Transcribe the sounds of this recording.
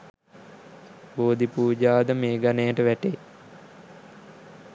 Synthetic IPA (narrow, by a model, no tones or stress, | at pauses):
boːd̪ipuːd͡ʒaːd̪əmeːɡanejəʈəʋæʈe